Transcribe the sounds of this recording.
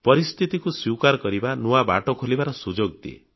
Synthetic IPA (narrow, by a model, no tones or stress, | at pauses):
pɔɾist̪ʰit̪ikusjikaɾɔkɔɾibanuaba̰ʈɔkʰolibaɾɔsud͡ʒoɡd̪iḛ